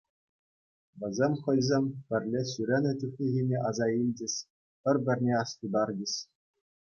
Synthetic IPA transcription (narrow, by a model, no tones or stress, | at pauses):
ʋʲɘ̆zʲemʲχɤ̆jzʲemʲpʲɘ̆rʲlʲeɕʲyɾʲenʲɘ̆t̪ʲyxʲnʲiɣʲenʲeʔɑzɑilʲd͡ʑɘ̆ɕʲ | pʲɘ̆rʲbʲɘ̆rʲnʲeɑstud̪ɑrd͡ʑɘ̆ɕʲ